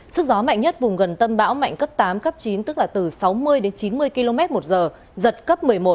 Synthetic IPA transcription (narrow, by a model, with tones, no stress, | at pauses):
sɨ˦˥k̚zɔ˨˦ma̰˧˨jŋ̟ɲə˦˥t̚vʊ˨˩ŋ͡mɣə˨˩nt̪ə˧mɓa̰ː˧˥wma̰˧˨jŋkə˦˥p̚t̪aː˨˦mkə˦˥p̚t͡ɕi˨˦nt̪ɨ˦˥k̚laː˨˩t̪ɨ˨˩sa˨˦wmɨ˧əjɗe˨˦nt͡ɕi˨˦nmɨ˧əjki˧lo˧mɛ˦˥t̚mo˨˩t̚zəː˨˩ | zə˨˩t̚kə˦˥p̚mɨ˨˩əjmo˨˩t̚